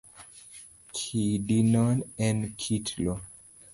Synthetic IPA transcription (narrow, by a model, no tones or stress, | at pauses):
kʰidinɔnɛ̃nkʰitʰlo